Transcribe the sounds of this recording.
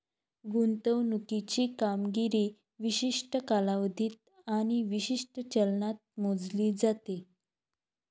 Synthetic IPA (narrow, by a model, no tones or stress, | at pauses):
ɡunt̪əwnukit͡ɕiːkamɡiɾiː | ʋiɕiʂʈəkalaʋd̪ʱiːt̪̚ | aɽ̃iʋiɕiʂʈət͡ɕəlnat̪̚mod͡zliːd͡zat̪e